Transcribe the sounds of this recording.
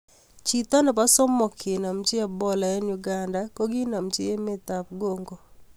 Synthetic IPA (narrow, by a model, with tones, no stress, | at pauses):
t͡ʃi˨t̪a˦nɔ˨pa˦sɔ˦mːɔ˨kʰe˨na˨mt͡ʃɪ˦a˦˨bɔ˦la˨ɛ˦ɲu˨ɡa˨nda˦ko˦ɡɪ˦na˨mt͡ʃɪ˦e˦mɪ˦t̪a˨p̚ɡo˦ŋɡo˨